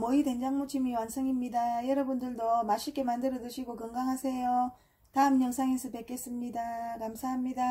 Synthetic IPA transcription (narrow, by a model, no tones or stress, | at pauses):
mʌide̞nd͡ʑaŋmut͡ɕʰimiwansʰʌŋimɲidajʌɾʌbundɯɭdomaɕʰiɭk͈e̞mandɯɾʌdɯɕʰiɡokɯŋɡaŋɦasʰe̞jo | taɯmɲʌŋsʰaŋinsʰɯpe̞k͈e̞s͈ɯmɲidakamsʰaɦamɲida